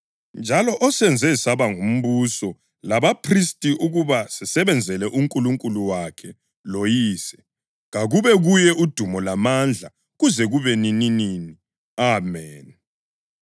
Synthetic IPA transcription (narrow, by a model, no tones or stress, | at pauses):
nd͡ʒʱalɔʔɔsɛnd͡zʱɛsaβaŋum̩βusɔ | laβapʰristʼiʔuɣuβasɛsɛβɛnd͡zʱɛlɛʔuŋkʼuluŋkʼuluwakʰɛ | lojiːsɛ | ɣaɣuβɛɣujɛud̥ʱumɔlamand͡ɮʱa | ɣuzɛɣuβɛnininini | amɛːn